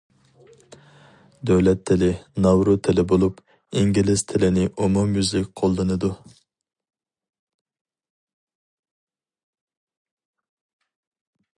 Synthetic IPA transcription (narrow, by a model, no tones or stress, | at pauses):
d̪øwlɛt̪ʰːɪlɪnɑwɾut̪ʰɪlɪbolˠup | iŋɡʲilɪst̪ʰɪlɪnɪʔumumjyzlɪkʲqʰolˠːɨnɨd̪u